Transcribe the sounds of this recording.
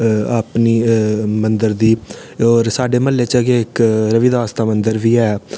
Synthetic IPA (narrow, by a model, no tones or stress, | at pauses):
əpniːmənd̪əɾd̪iːɔːɾsaːɖeːməlːeːt͡ʃəɡeːɪkɾəʋiːd̪aːəst̪aːmənd̪əɾʋiːɛː